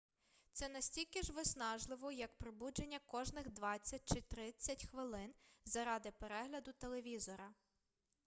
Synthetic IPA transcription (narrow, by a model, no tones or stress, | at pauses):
t̪sɛnɐsʲtʲilʲkɪʒʋɪsnɑʒlˠɪʋɔjɐk̚pɾɔbud͡ʒenʲːɐkɔʒnɪxd̪ʋɑt͡sʲːɐt̚ʲt͡ʃɪt̪ɾɪt͡sʲːɐtʲxʋɪlˠɪnzɐɾɑd̪ɪpeɾɛɦlʲɐd̪ʊt̪elˠeʋʲizɔɾɐ